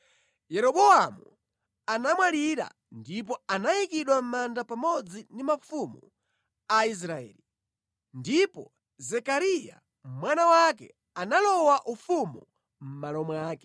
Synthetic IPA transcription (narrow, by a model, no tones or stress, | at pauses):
jɛɾɔɓɔamu | anamwaliɾa̰ | ndip̬ɔanajikiɗwam̩mandapamɔd͡zindimafumu | ais̬ɾaɛ̰ːli | ndipɔ | zɛkaɾija̰ | mwanawakɛ̰ | analɔwaʔufumu | m̩malɔmwaːkɛ̥